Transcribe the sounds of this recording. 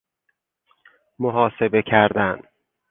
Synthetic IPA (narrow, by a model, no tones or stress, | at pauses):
moɦɒːse̞be̞cʰæɾd̪æn